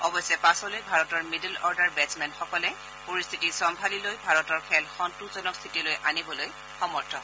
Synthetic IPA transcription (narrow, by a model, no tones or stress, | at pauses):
ɔbɔjsɛpasɔlojbʱaɹɔtɔɹmidəlɔɹdaɹbɛsmɛnxɔkɔlɛ | poɹist̪ʰitisɔmbʱalilojbʱaɹɔtɔɹkʰɛlxɔntuzɔnɔkst̪ʰitilojʔanibɔloj | xɔmɔɹtʰɔ